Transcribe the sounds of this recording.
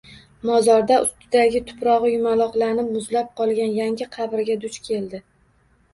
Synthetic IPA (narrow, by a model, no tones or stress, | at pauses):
mɒzɒɾd̪aʊst̪ɪd̪aɡʲɪt̪ʰʊ̥pɾɒʁɨjʊmalˠɒqlˠanɪpmʊzlap̚qʰɒlˠɡʲanjaŋʲɪqʰɑbɪɾɡʲad̪ʊt͡ʃkʲʰe̞ld̪ɪ